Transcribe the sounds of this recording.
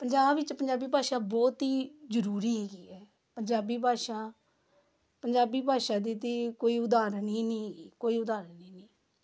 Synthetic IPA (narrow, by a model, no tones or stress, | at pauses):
pəɲd͡ʒaːbɪt͡ʃpəɲd͡ʒaːbiːbʱaːʃaːbɔːt̪ɦiːzəɾuːɾiːɦɛːɡiːɛː | pəɲd͡ʒaːbiːbʱaːʃãː | pəɲd͡ʒaːbiːbʱaːʃãːd̪iːt̪iːkoːiːʊd̪aːɾnĩːnĩːɦɛːɡiːkoːiːʊd̪aːɾəniːnĩː